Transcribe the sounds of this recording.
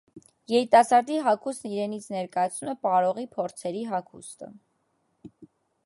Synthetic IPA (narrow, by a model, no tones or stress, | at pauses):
jɛɾit̪ɑsɑɾd̪iɦɑkʰusniɾɛnit͡sʰnɛɾkɑjɑt͡sʰnumɛpɑɾɔʁipʰɔɾt͡sʰɛɾiɦɑkʰṵst̪ə̰